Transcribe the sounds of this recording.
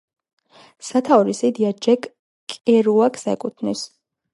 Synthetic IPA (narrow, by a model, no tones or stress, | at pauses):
sat̪ʰaɾisid̪iad͡ʒɛk | kʼɛɾuakʰsɛkʼut̪ʰnis